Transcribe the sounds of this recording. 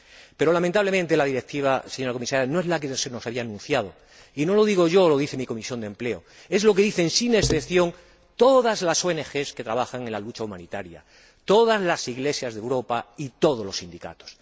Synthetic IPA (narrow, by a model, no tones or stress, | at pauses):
pe̞ɾo̞lamẽnt̪aβle̞mẽnt̪e̞laðiɾe̞k̚t̪iβ̞aseɲoɾako̞misaɾjano̞e̞zlakeðseno̞saβiaːnũn̟θjað̞o̞ | ino̞lo̞ðiɣ̞o̞ʝo̞lo̞ðiθe̞miko̞misjo̞nd̪e̞mple̞o̞ | e̞zlo̞ke̞ðiθe̞nsine̞sθepθjo̞ŋ | t̪o̞ðazlaso̞e̞ne̞xe̞ske̞t̪ɾaβaxaŋẽ̞nlalut͡ʃaumãnit̪aɾja̰ | t̪o̞ðazlasiɣle̞sjazðewɾo̞pait̪o̞ð̞olo̞sind̪ika̰t̪o̥s